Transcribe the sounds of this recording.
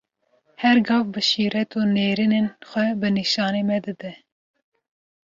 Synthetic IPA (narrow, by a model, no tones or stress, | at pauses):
hɛɾɡɑːvbɨʃiːɾɛt̪ʰoːneːɾinenxʷɛbɨniʃɑːneːmɛd̪ɨd̪ɛ